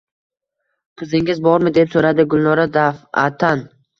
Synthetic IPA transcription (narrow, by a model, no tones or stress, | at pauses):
pʰʊzɪŋɪzbɒɾmɪd̪e̞psoɾad̪ɪɡʊlˠnɒɾad̪afa̰t̪ʰan